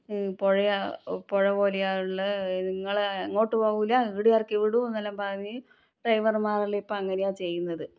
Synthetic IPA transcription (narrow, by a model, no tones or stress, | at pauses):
poɻɐjapoɻɐpo̞ːlejaːjuɭːɐniŋːɐɭno̞ːʈːɨpoːɣuilːɐiːɽijaːrkɨʋiɽuenːɐlːɐmpɐrɐɲːɨ | ɖrɐjʋɐrmaːrɐleipːɐmɐŋːɐne̞jaːt͡ɕe̞jːunːɐðɨ